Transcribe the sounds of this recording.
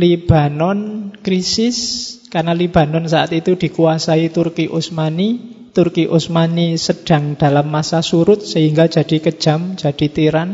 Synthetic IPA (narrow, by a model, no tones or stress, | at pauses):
lib̥a̤nɔnkɾisɪskarnaliba̤nɔnsaat̪it̪ud̪̥i̤kuasait̪ʊrkiʔusmani | t̪urkiʔusmanisəɖ̥a̤ŋd̥a̤lamːasasuɾʊt̪̚səɦiŋɡḁd͡ʒ̥a̤d̥i̤kəd̥ʒ̥a̤m̥d͡ʒ̥a̤d̥i̤t̪iɾan